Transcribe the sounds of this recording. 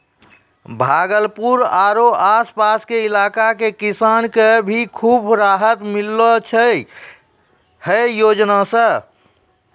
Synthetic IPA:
bʱaɡəlpuɾaɾoaspaskeilakakekisankebʱikʰubɾaɦət̪milːɔt͡ʃʰə | həjoːd͡ʒnasə̃

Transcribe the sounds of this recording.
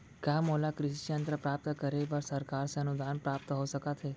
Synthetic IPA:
kamolakɾɪʃjənt̪ɾəpɾap̚t̪əkəɾeʋaɾsəɾkaɾsənud̪ʱanpɾap̚t̪əɦoʃəkat̪ʰe

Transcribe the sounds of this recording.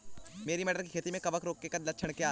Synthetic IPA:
meːɾimɛːɖəɾlkikʰeːt̪imẽkɐbəkɾoːkːekɐd̪lɐtːʃʰəɽ̃kjaː

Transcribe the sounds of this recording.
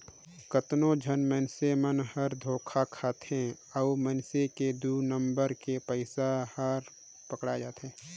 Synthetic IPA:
kət̪nõd͡ʒʱənmənsemənhəɾd̪ʱoːkʰakʰaːt̪ẽ | ɔumənseked̪uːnə̃mbəɾkepəɪsahəɾ | pəkɽad͡ʒaːt̪ɦɛ̃ː

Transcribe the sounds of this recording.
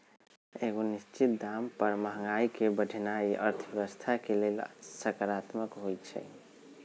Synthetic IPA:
eɡonist͡ʃit̪̚d̪ampəɾməɦəŋɡaikebəɖʱnaiʔə̰ɾt̪ʰbeʋəst̪ʰakelelsəkaɾat̪məkɦojt͡ʃʰɛ̰

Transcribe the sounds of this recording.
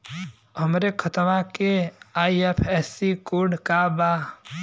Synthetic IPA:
ɦəmɾekʰət̪ʋakeaːiepʰɛːsikoːɖkaba

